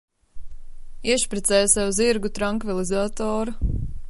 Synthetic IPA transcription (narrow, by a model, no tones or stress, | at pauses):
iɛʃpɾɛt̪sɛːjsawuziɾɡut̪ɾaŋkvilˠizaːt̪ɔːɾu